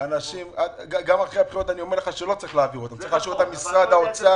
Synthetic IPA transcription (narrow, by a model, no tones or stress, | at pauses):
anaʃimaɡaɡamalχeabχiʁo̞t̪anio̞meʁleχaʃelo̞t͡saʁiχleaːviʁot̪amtt͡sɐʁiχlaːʃuvet̪amisʁad̪aot͡sa